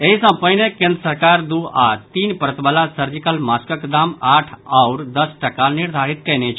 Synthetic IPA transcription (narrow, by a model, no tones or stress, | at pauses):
eɦisə̃pəinekẽnd̪ɾəsəɾkaːɾd̪uat̪iːnpəɾət̪baːlasəɾd͡ʒɪkəlmaːskəkd̪aːmaːʈʰɔʊɾd̪əsʈɐkanɪɾd̪ʱaːɾɪt̪̚kɛɦnet͡ʃʰ